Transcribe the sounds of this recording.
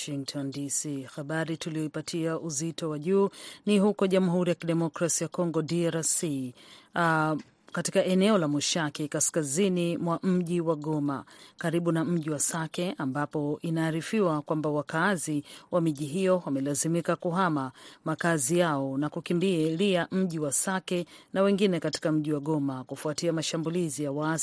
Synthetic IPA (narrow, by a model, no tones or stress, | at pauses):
ʃiŋktʰɔndisixaɓaɾituliɔipatʰiaʔuzitɔwaʄuːnihukɔʄamuɦuɾijakiɗɛmɔkɾasijakɔŋɡɔdiaɾasi | katikaʔɛnɛɔlamuʃakikaskazinimwam̩ʄiwaɠɔmakaɾiɓunam̩ʄiwasakɛʔambapɔʔinaːɾifiwakwambawakaziwamiʄiɦijɔwamɛlazimikakuɦamamakazijaɔnakukimbiɛliam̩ʄiwasakɛnawɛŋɡinɛkati̥kam̩ʄiwaɡɔmakufuatiamaʃambulizijawa